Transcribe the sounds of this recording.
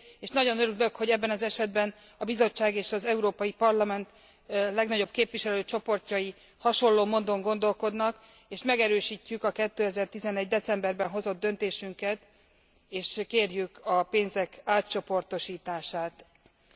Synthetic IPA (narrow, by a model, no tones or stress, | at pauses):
eːʃnɒɟo̞nøɾylø̞kho̞ɟɛbːɛnɒzɛʃɛd̪bɛn | ɒbizo̞t͡ʃːaːɡeːʃɒzɛuɾoːpɒjipɒrlɒmɛnt̪ | lɛɡnɒɟo̞b̚keːpʋiʃɛløːt͡ʃo̞po̞rcɒji | hɒʃo̞lːoːmond̪o̞ŋɡo̞nd̪o̞lko̞d̪nɒk | eːʃmɛɡɛɾøːʃiːcːykɒkɛt̪ːøːɛzɛrt̪izɛnɛɟd̪ɛt̪sɛmbɛrbɛnɦo̞zo̞d̪ːø̞nt̪eːʃyŋkɛt̪ | eːʃkeːrjykɒpeːnzɛkaːtt͡ʃo̞po̞rt̪o̞ʃiːt̪aːʃaːt̪